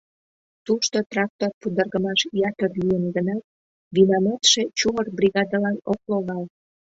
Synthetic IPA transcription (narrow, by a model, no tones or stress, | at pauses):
t̪uʃt̪ot̪rɑk̚t̪orpud̪ərɣəmɑʃjɑt̪ərlijənɡənɑt̪̚ | βinɑmɑt̪ʃet͡ɕumərbrʲiɣɑd̪ɑlɑnok̚loɣɑl